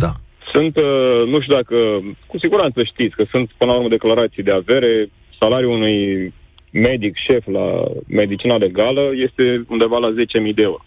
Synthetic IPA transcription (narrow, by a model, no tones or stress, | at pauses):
d̪asunt̪nuʃt̪ʲud̪akəkusiɡuɾant̪səʃt̪it̪sʲkəsunt̪pɨnəlauɾmed̪e̞klaɾat̪sijd̪eave̞ɾe̞ | salaɾiuunuj | me̞d̪ikʃe̞fla̰me̞d̪it͡ʃinale̞ɡaləje̞st̪e̞und̪e̞valaze̞t͡ʃe̞mijd̪eeuɾo̞